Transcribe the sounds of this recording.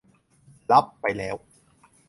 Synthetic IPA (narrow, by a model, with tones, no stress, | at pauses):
la˦˥pːa˧jlɛː˦˥w